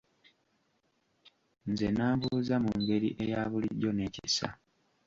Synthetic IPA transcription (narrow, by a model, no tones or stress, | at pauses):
nzenaːβuːzamuŋɡe̞ɾḭʔe̞jaːβuliɟːo̞ne̞ːcisa̰